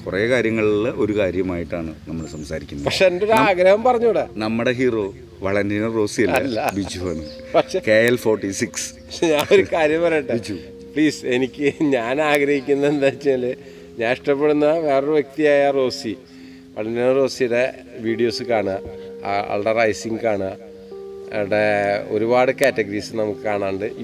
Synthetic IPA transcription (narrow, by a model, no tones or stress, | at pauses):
purɐjekaːɾjɐŋːɐɭiɭːʔo̞ɾukaːɾjɐmaːjiʈːaːɳɨnɐmːɐɭsɐmsaːɾikʲːunːɐpɐkʂeendo̞ɾaːɡɾɐhɐmpɐrɐɲːuːɽɨnɐmːuɽeɦiːro̞ː | ʋɐɭɐndinɐro̞ːsiɐɐːɐlːɐbid͡ʑuʋɐnːu | pɐkʂekeːjelfoːrʈːisiks | ɲaːnoɾukaːɾjɐmʋɐɾejuʈːid͡ʒu | pɭiːse̞nikʲːɨɲaːnaːɡɾɐhikʲːunːɐend̪aːt͡ɕːinale | ɲaːniʂʈɐpːe̞ɽunːɐʋeːrɐʋjek̚t̪ijaːjɐro̞ːsi | ʋɐ̰ɭɐninɐro̞ːsiɽe | ʋiːɽijo̞ːsɨkaːɳ | ɐ̰ɭɽerɐjsiŋɡɨkaːɳa | ɐ̰ʋɐɽeoɾubaːɽɨkaːtːɐɡɐɾiːsɨnɐmukːɨkaːɳaːɳɖɨ